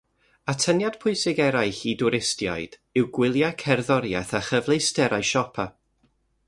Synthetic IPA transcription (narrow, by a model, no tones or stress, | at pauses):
atʰənjad̥pʰʊɨsɪɡɛɾajɬidʊɾɪstja̰jd̥ | ɪwɡwɪlˠjakʰɛrðɔɾjaθaχəvlˠejstɛɾajʃɔpʰa